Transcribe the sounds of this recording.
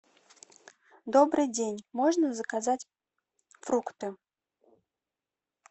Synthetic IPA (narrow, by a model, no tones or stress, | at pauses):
d̪ɔbɾɨjdʲenʲmɔʐnəzəkazat͡sʲ | fɾukt̪ɨ